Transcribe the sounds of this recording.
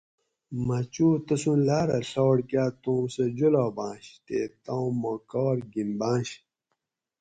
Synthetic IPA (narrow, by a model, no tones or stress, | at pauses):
mɐt͡ɕuːt̪ɐsũnlaːɾɐɬoːɽkjaːt̪õːmsed͡ʑoloːbãːɕt̪eːt̪ãwmokɔːɾɡimbãːɕ